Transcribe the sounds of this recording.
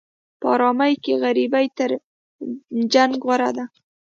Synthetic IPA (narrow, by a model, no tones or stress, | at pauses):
pəɑ̰ɾɑmajkeɣaɾibajt̪əɾ | d͡ʒaŋɡɣwaɾad̪a